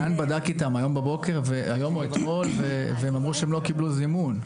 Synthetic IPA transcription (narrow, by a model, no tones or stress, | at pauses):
anbadakitamajo̞mbabo̞ke̞ʁveajo̞muet̪mo̞lveveemamʁuʃeemlo̞kibluzimun